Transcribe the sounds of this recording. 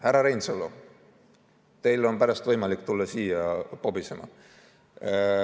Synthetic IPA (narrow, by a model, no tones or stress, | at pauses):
hæɾɑɾejnsolːo | t̪e̞jlo̞npæɾɑst̪vɤjmɑlikːˑt̪ulːɑsiːjɑpobisemɑ̰